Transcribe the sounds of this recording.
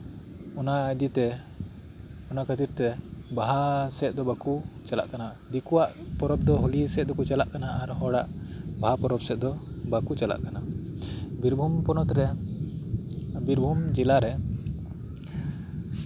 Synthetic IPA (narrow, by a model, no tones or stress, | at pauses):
ɔnaʔd̪it̪ɛ | ɔnaʔkʰət̪iɾt̪ɛbaɦasɛt̪̚d̪ɔbakut͡ʃala̰ʔkana | d̪ikuwaʔpɔɾɔb̚d̪ɔɦolisɛt̪̚d̪ɔkut͡ʃalaʔkanaaɾhɔɽaʔbaɦapɔɾɔp̚sɛt̪̚d̪ɔbakut͡ʃala̰ʔkana | biɾbʱumpɔnɔt̪ɾɛ | biɾbʱumd͡ʒilaɾɛ